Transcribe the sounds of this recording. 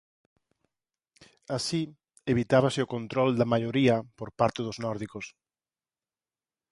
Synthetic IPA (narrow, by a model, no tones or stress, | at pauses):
asi | eβit̪aβasɪʊkont̪ɾold̪ɐmaʎoɾiɐpoɾpaɾt̪eðʊznɔɾðikos